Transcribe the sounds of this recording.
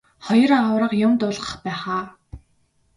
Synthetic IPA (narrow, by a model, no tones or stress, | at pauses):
χɔjɞ̆rawrə̆qjʊmt̪ʊːɮʁə̥̆χpæːχaː